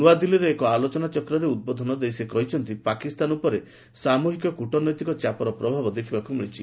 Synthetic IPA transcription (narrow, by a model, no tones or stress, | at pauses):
uad̪iliɾeːkɔalot͡ʃɔnat͡ʃɔkɾɔɾeud̪̚bɔd̪ʱɔnɔd̪ejsekɔɦit͡ʃʰɔnt̪ipakist̪anupɔɾe | samuɦikɔkuʈɔnɔjt̪ikɔt͡ʃapɔɾɔpɾɔbʱabɔd̪ekʰibakumiɽ̃it͡ʃʰi